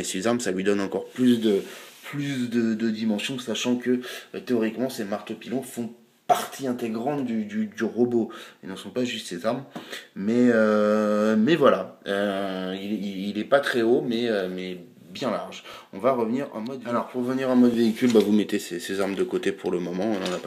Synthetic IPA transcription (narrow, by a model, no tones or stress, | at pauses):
esezaʁmsalɥid̪ɔnɑ̃kɔʁplysd̪əplysd̪əd̪əd̪imɑ̃sjɔ̃saʃɑ̃kət̪eɔʁikmɑ̃semaʁt̪opilɔ̃fɔ̃ | paʁt̪ʰiɛ̃t̪eɡʁɑ̃t̪d̪yd̪yd̪yʁɔboelnəsɔ̃paʒyst̪sezaʁmmɛø | mɛvwalaøilɛiilɛpat̪χɛomɛømɛ | bjɛ̃laʁʒɔ̰̃vaʁəvniʁɑ̰̃mɔd̪alɔʁpuʁəvəniʁɑ̃mɔd̪əveikʲylbavumɛt̪esesezaʁmd̪əkot̪epuʁləmɔmɑ̃ɔ̃nɑ̃nap